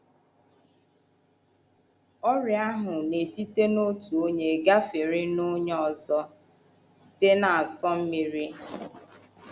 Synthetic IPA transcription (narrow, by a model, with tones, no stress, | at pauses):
ɔ˦ɾɪ˨a˦ɦʊ˨ne˨si˦te˦no˦tu˨o˦ɲe˨ɡa˦fɪ˨ɾɪ˦no˦ɲe˦ɔ˨zɔ˦ | si̥˨te˦na˨a˨sɔ˦m̩˦mi˨ɾi˦